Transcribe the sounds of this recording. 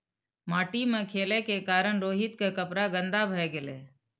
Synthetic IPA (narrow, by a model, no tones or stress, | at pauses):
maːʈimẽkʰeːlekekaːɾəɳɾoːɦɪt̪kekəpɾaɡə̃nd̪abʱəɡɪlḛː